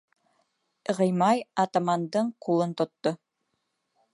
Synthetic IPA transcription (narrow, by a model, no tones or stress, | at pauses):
ʁɤjmɑjɑt̪amɑnd̪ɤɴqulˠɤnt̪ŏt̪ːo